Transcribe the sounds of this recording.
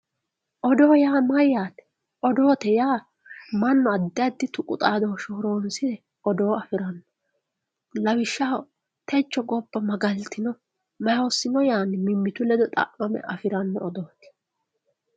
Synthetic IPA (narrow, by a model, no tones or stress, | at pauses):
ʔɔd̪o̞ːjaːmɐjaːt̪ɛ̥ | ʔɔd̪o̞ːt̪ɛjaː | mɐnːɔɐd̪ːɪɐd̪ːɪt̪ʊkʼʊt̪ʼaːd̪oːʃoːɾoːnsɪd̪ɛ | ʔɔd̪o̞ːɐfɪɾɐnːɔ̥ | lɐwɪʃːa | t̪ɛt͡ʃːɔɡɔbːɐmɐɡɐlt̪ɪnɔ | mɐjoːsːɪnɔjaːnɪmɪmːɪt̪ʊlɛd̪ɔt̪ʼɐ̰ʔmɐmɛ̰ʔɐfɪɾɐnːɔːd̪o̞ːt̪ɛ̥